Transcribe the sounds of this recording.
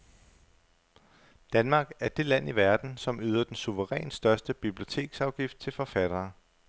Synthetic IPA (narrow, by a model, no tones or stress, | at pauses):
d̥ænmɑ̈ːɡ̥æɐd̥e̝læn̰iʋæɐd̥n̩sɒ̽myːð̞ˠɐd̥ensuʋəʁɛ̰ːnsd̥ɶɐsd̥əb̥ib̥lio̝t͡sʰe̝̰ːɡ̥sɑ̈ʊɡ̥ifd̥̚t͡sʰe̝lfɒ̽fæɾ̥ɐː